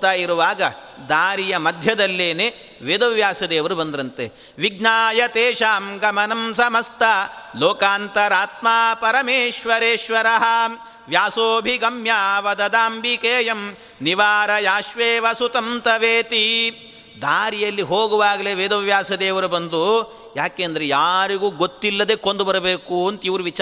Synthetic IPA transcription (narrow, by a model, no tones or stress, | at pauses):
t̪aːjiɾuʋaːɡɐ | d̪aːɾijɐmɐd̪ʱjɐd̪ɐlːeːne | ʋeːd̪ɐʋjaːsɐd̪eːʋɐɾubɐnd̪ɾɐnt̪e | ʋiɡnaːjɐt̪eːʃaːmɡɐmɐnɐmsɐmɐst̪ʰɐloːkaːnt̪ɐɾaːt̪maːpɐɾɐmeːʃʋɐɾeːʃʋɐɾɐɦɐ̆ | ʋjaːsoːbʱiɡɐmjaːʋɐd̪ɐd̪aːmbʱikeːjɐm | niʋaːɾɐjaːʃʋeːʋɐsut̪ɐmt̪ɐʋeːt̪i | d̪ʱaːɾijɐlːiɦoːɡuʋaːɡɐleʋeːd̪ɐʋjaːsɐd̪eːʋɐɾubɐnd̪u | jaːkeːɐnd̪ɐɾejaːɾiɡuːɡot̪ːilːɐd̪ekond̪ubɐɾɐbeːkuɐnt̪iʋɾuʋit͡ʃː